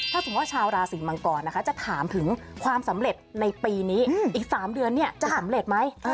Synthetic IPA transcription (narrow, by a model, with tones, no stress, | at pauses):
t̪ʰaː˥˩t̪ʰuː˨˩˦waː˥˩t͡ɕʰaː˧wɾaː˧siː˨˩˦ma˧ŋkɔː˨˩nːa˦˥kʰa˦˥t͡ɕa˨˩t̪ʰaː˩˦mt̪ʰɯ˩˦ŋkʰwaː˧msa˩˦mɾe˨˩t̪̚na˧jpiː˧niː˦˥ʔiː˨˩k̚saː˩˦mdɯ˧ənːi˥˩ɐt͡ɕa˨˩sa˨˩˦mɾe˨˩t̪̚ma˦˥j